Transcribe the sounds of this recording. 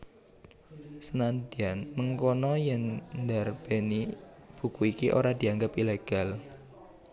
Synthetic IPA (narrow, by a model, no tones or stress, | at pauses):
sənand̪ianməŋkonɔjɛŋnd̪arb̥enib̥ṳkuikiʔo̰ɾad̪̥i̤aŋɡapileɡ̥a̤l